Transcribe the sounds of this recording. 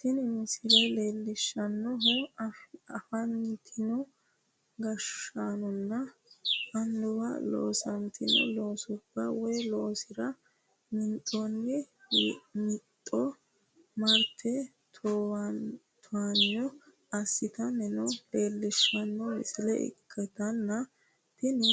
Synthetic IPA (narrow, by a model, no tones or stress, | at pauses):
t̪ɪnmɪsɪlɛleːlːɪʃːɐnːɔɦɔ | ɐfɐnt̪ʰɪnɔ | ɡɐʃanɔnːɐ | ɐnd̪ʊwɐ̰lo̰ːsɐnt̪ɪnɔ̰loːsʊbːɐwɔjlo̞ːsɪɾɐ | mɪnt̪ʼːɔnːɛ | mɪt̪ʼːɔ | mɐɾt̪ʰːɛ | t̪ʰoːwɐn | t̪ʰʊanɔ | ɐsːɪt̪ɐnɛnɔeːlːɪʃɐnːɔmɪ̰sɪlɛ̰ɪ̰kʰːɛt̪ɐnːɐ | t̪ɪn